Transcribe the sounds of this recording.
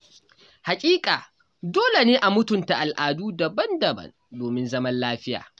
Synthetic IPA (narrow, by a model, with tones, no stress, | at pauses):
ha˨kʲʼiː˦kʼaː˨ | doː˦le˨neː˦ʔa˨mʊ˦tʊ˨nta˨ʔa˨lʔaː˨duː˦da˨bɐ˦ndɐ˨bɐ̰˨n | doː˨mɪ˦nzɐ˦mɐ˦nlaː˦ɸɪ˦ja̰ː˨